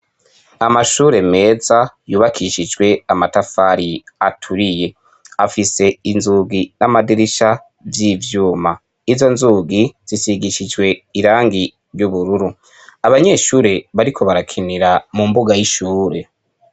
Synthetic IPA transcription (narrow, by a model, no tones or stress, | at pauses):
amaʃuːɾe̞me̞ːzajuːβakʰiʃid͡ʒɡwe̞amatafaɾiatʰuɾije̞ | afise̞inzuɡinamadiɾiʃa | vjivjuːma | izo̞nzuɡiz̥isiɡiʃid͡ʒwe̞iɾaːŋɡi | ɾjuβuɾuɾu | aβaɲe̞ːʃuːɾe̞βaɾikʰo̞βaɾakʰiniɾamumbuɡajiʃuːɾe̞